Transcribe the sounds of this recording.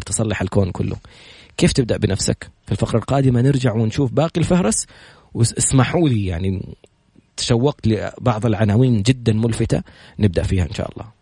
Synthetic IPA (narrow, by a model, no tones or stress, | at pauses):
ɾt̪ɨsˤɑlːɑħalkoːnkʊ̰lːʊ̰ | keːft̪ɪb̚d̪aʔbɪnafsa̰kfilfaqɾˤɑlqɑːd̪ɪmanɪɾd͡ʒaʕwɪnʃuːfbaːqilfahɾˤɑs | wɪɪsmaħuːlijaʕni | t̪ḁʃawːɑqt̪lɪbɑʕðˤɪlʕanaːwiːnd͡ʒɪd̪ːanmʊlfɪt̪a̰nɪb̚d̪aʔfiːhaʔɪnʃa̰ːʔɑ̰lˤːɑ̰ː